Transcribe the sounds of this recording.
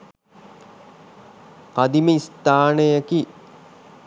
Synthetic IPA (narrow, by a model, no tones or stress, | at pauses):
kad̪iməist̪aːnəjaki